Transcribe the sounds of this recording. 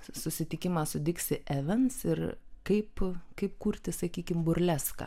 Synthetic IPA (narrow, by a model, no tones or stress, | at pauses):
sʊsʲɪt̪ʲɪkʲɪmɑːsʊd̪ʲɪksʲɪʔæːʋʲɛnsɪrkɐɪpkɐɪp̚kuːɾʲt̪ʲɪsɐkʲiːkʲɪmbʊɾʲlʲæːskɐ̰